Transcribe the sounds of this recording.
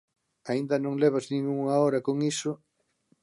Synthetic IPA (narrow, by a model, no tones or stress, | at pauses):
aind̪ɐnõŋleβɐznĩŋuŋɐɔɾɐkoŋisʊ